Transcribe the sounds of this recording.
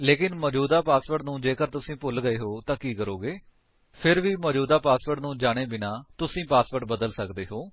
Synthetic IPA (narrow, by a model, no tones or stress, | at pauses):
leːkɪnməd͡ʒuːd̪aːpaːspəɾʈnũːd͡ʒeːkəɾt̪ʊsĩːpʊlɡəeːɦoːt̪ãːkiːkəɾoːɡeː | pʰɪɾʋiːməd͡ʒuːd̪aːpaːspəɾʈnũːd͡ʒaːɽ̃eːbɪnaːt̪ʊsĩːpaːspəɾʈbəd̪əlsəkd̪eːɦoː